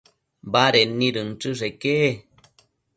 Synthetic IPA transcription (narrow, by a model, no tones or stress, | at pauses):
baɾenːĩɾɨnʈ͡ʂɨʐekeʔe